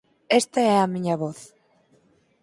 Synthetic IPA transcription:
est̪aɛamiɲaβoθ

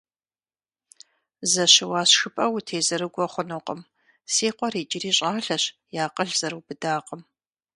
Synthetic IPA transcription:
zɐɕɪwaːɕxɨpʼɐwʊtʰeːzɐɾɨɡʷɔχʷʊnuqʼəm | siːqʷɔɾiːd͡ʒɪriːɕʼaːɬɐɕjaːqʼəɮz̥ɐɾɨwbɨdaːqʼəm

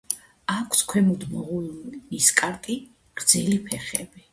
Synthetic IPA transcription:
akʷʰskʰwɛmud̪mɔʁuniskʼaɾt̪ʼi | ʁ̥ɾd̪zɛlipʰɛχɛbi

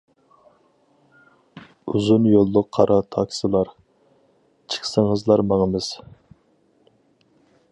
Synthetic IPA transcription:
uzunjolˠːʊqʰːɑɾʔɑt̪ʰɑkʲsɨlˠɑɾ | t͡ʃʰə̥χsəŋəzlˠɑɾmɑŋəmɨz̥

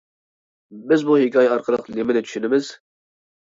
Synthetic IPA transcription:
bɪzbuhɪkʰʲɑjɛɑɾqʰəlˠəqlemɪnɪt̪ʰy̥ʃynɪmɪz̥

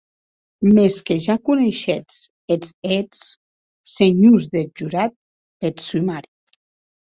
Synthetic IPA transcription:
meskeʒakuneʃet͡s | ezet͡s | seɲuzðed͡ʒuɾat̪̚ | pet̪sumaɾi

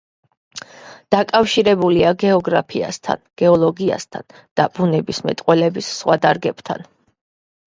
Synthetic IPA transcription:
d̪̥akʼafʃiɾɛbuliaɡɛɔɡɾapʰia̰st̪ʰa̰nɡ̥ɛɔlˠɔɡia̰st̪ʰa̰n | d̪̥ab̥unɛbismɛ̰t̪ʼqʼwɛlɛbisːχʁwad̪aɾɡɛb̥t̪ʰa̰n

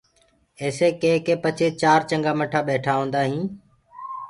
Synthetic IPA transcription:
eːseːkẽːkẽːpət͡ʃʰeːt͡ʃaːɾt͡ʃə̃ŋɡaːməʈʰaːɓeːʈʰaːɦõːnd̪aːɦĩː

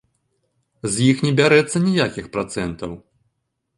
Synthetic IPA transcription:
zʲjixnʲɛbʲaɾɛt̪sːɐnʲijakʲixpɾat̪sɛnt̪ɐw

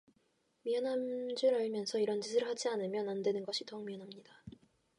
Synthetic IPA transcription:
miʌnamd͡ʑɯɾaɭmjʌnsʰʌiɾʌnd͡ʑis̬ʰɯɾɯɭhad͡ʑianɯmjʌnandwe̞nɯnɡʌɕʰidʌŋmiʌnɦamɲida

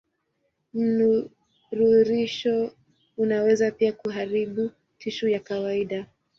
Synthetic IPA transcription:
m̩nu | ɾuɾiʃɔ | unawɛzapiakuɦaɾiɓu | tʰiʃujakawaiɗa

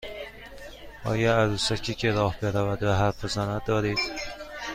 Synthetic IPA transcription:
ɒ̰ːjɒæɾusæcʰiːcʰeɾɒːhbeɾævæd̪væɦæɾfezænæd̪̚d̪ɒːɾiːd̪̥

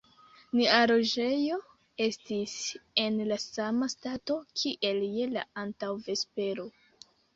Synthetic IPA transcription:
niaɾo̞d͡ʒe̞jo̞ | e̞stise̞nlasamastato̞kʰiʔe̞lje̞la̰antawve̞spe̞ɾo̞

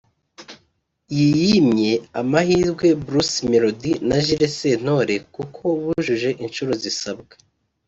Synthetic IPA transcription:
jijimɲe̞amahiːɾɡwe̞bɾusmeɾodinaʒiɾese̞n̥o̞ɾe̞kukʰo̞βuʒuʒe̞ʔint͡ʃuɾo̞zisabɡḁ

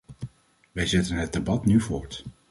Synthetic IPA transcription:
ʋɛjzɛtənɦət̚debɑtnyvʊːɹt

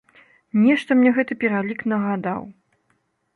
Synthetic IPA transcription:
nʲɛʂt̪ɐmnʲɛɣɛt̪ɨpʲɛɾalʲiknɐɣad̪aw

